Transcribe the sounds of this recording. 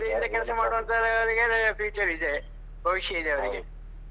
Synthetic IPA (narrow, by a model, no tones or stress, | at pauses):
d̪ind̪ɐkɐɾɐsɐmaːɽuʋɐnt̪aːɾeɐʋɐɾiɡefiːt͡ʃɐɾid̪e | bʱɐʋiʂjɐid̪eɐʋɐɾiɡe